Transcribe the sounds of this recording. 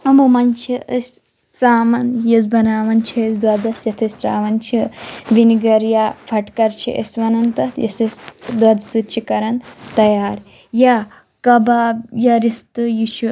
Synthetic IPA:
ɐmumɐnt͡ʃʰiəsʲ | t͡saːmɐnjɐs̬bɐnaːʋɐnt͡ʃʰɐsd̪wɐd̪ɐsjɐt̪ʰɐst̪ɾaːʋɐnt͡ʃʰiʋiniɡɐɾjapʰɐʈkɐɾt͡ʃʰḭʔə̰sʋɐnɐnt̪ɐtjɐ̰sisd̪wɐd̪sɨt͡ʃʰikɐɾɐnt̪ɐjaːɾ | ja | kɐbaːbjɐɾist̪ɨjit͡ʃʰu

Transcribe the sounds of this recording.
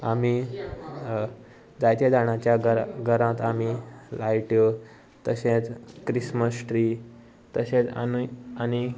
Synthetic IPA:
ami | d͡zajt̪jed͡zaɽ̃ãt͡ɕjaɡɾɡʱəɾãt̪amilajʈjo | t̪əɕẽt͡skɾisməsʈɾiː | t̪əɕẽt͡sa̰ani

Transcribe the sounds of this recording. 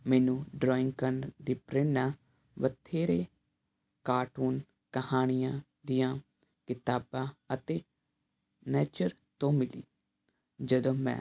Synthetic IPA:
mɛːnũːɖɾɔːɪ̃ŋɡkənd̪iːpɾeːnaː | ʋət̪ʰeːɾeː | kaːʈuːn | kəhaːnɪjãː | d̪ɪjãː | kɪt̪aːbãːət̪eː | nɛːt͡ʃəɾ | t̪õːmɪlḭː | d͡ʒəd̪õːmɛ̰̃ː

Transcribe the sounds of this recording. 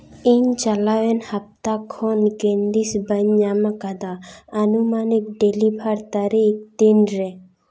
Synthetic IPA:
iɲt͡ʃalawɛnhɐp̚t̪akʰɔnɡend̪isbəɲɲamakad̪aənumanik̚ɖelibʱaɾt̪aɾik̚d̪inɾɛ

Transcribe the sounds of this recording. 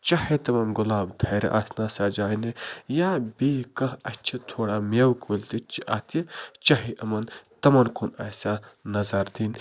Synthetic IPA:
t͡ʃɐhet̪ɐmɐnɡʊlaːbt̪ʰɐɾɐ̰ʔasnasad͡ʒaːinejabikɐɦɐt͡ʃʰɐt̪ʰoːɽaːmewkolt̪it͡ʃʰiʔa̰ːt̪ʰit͡ʃɐɦiʔɐmɐnt̪ɐmɐnkʰunɐːsʲanɐzɐɾd̪in

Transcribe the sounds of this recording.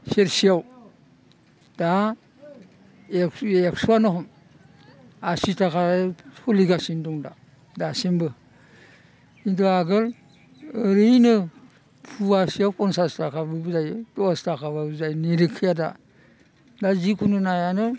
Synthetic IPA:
seɾsijaw | da | ekeksuanɯɦɔm | asitʰakʰatʰɔliɡasindɔŋda | dasenbɯ | intuaɡɯl | əɾɯjnɯ | pʰuasijawkɔnsastʰakʰabɯbzajɯdɔastakʰaβauzajneɾɯkʰːɯjada̰ | dazikʰunɯnajanɯ

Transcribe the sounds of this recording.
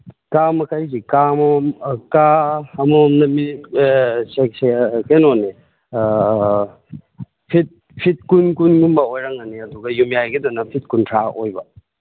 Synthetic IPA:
kamɐkʰajsikamkaɐmomnɐmi | seksekenone | pʰit̚ | pʰit̚kunkunɡumbɐojɾaŋɐniɐduɡɐjumjajɡidɔnɐpʰit̚kuntʰaʔojbɐ

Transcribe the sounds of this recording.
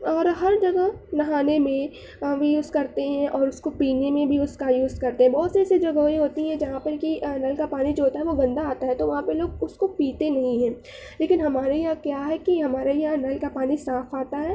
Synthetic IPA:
ɔːɾɦɐɾd͡ʒɐɡəɦnɐɦaːnemẽ | ʋijuːzkɐɾt̪eɦɛ̃ʔɔːɾʊskopiːnemẽbʱiʊskajuːzkɐɾt̪eɦɛ̃bɔːt̪sɐɾɛsid͡ʒɐɡoĩɦoːt̪iɦɛ̃d͡ʒɐɦãpɐɾkinɐlkapaːnid͡ʒoɦoːt̪aɦɛʋoɡɐ̃nd̪aaːt̪aɦɛt̪oʋɐɦãpeloːɡʊskopiːt̪enɐɦĩɦɛ̃ː | leːkɪnɦɐmaːɾejakjaːɦɛkiɦɐmaːɾajnɐlkapaːnisaːfaːt̪aɦɛː

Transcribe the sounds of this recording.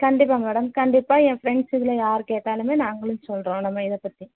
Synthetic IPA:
kɐɳɖɪp̬ːaːmɛːɽɐmkɐɳɖɪpːaːɛ̃ːfɾɛɳɖsɪðɯlɐjaːɾkeːʈːaːlɯmeːnaːŋɡɐɭɯnsɔlrõːnɐmːaːɪðɛpːɐt̪ːi

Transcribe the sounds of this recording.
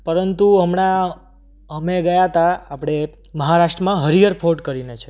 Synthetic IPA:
pəɾənt̪uəmɳa | əmeɡəjat̪aapɽ̃e | məɦaɾaʂʈɾəmãɦəɾijəɾpʰoʈkəɾinet͡ʃʰe

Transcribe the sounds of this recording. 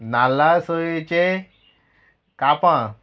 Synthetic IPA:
nalasojet͡ɕe | kapã

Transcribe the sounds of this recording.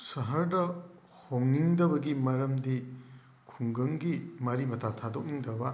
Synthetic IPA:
sɐɦɐɾdɐ | hoŋːiŋdɐbɐɡimɐɾɐmdi | kʰuŋɡɐŋɡimɐɾimɐtʰatʰadok̚niŋdɐbɐ

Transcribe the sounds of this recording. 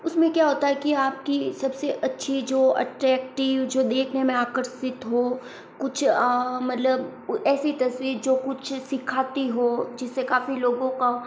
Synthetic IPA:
ʊsmẽkjaːɦoːt̪aɦɛkiaːp̚kisɐbseʔɐtːʃʰid͡ʒoːɐ̰ʈɾɛːk̚ʈɪʋd͡ʒoːd̪eːkʰnemẽaːkəɾʃɪt̪ɦoː | kʊt͡ʃʰːmɐt̪ləbɛːsit̪ɐswiːɾd͡ʒoːkʊt͡ʃʰsɪkʰaːt̪iɦoːd͡ʒɪsːekaːfiloːɡõka

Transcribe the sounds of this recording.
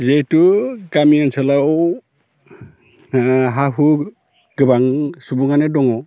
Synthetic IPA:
zejtuɡamiansala | ɦaɦu | ɡɯbaŋsubuŋanedɔŋɔ

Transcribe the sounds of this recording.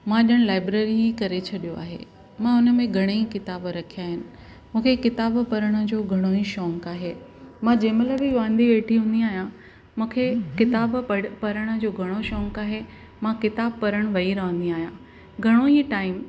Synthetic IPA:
mãɗəɽ̃laːɪbɾeːɾiɦikɐɾet͡ɕʰɐɗijoa̰ːɦḛː | mãʊnəmẽɡʱɐɽ̃eikɪt̪aːbɾɐkʰijaːɦɪnɪ̆ | mũːkʰekɪt̪aːbpɐɾəɽ̃ə̆d͡ʑoːɡʱɐɽ̃oiʃɔ̃ːŋkaːɦeː | mãːd͡ʑeːmələbiʋãːnd̪ʱiʋeːʈʰiɦũːnd̪iaːɦijã | mũːkʰekɪt̪aːbpɐɾəɽ̃ə̆d͡ʑoːɡʱɐɽ̃oʃɔ̃ːŋkaːɦe | mãkɪt̪aːbpɐɾəɽ̃ʋɐiɾɐə̃nd̪iaːɦijãː | ɡʱɐɽ̃oiʈaːɪm

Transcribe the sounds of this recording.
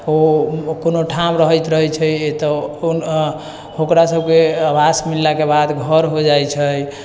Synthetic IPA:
okonoʈʰamɾəɦəjt̪ɾəɦət͡ʃʰəjet̪ɔ | okɾasəb̚keəbasmilːakebad̪ɡʱəɾɦod͡ʒajt͡ʃʰəj

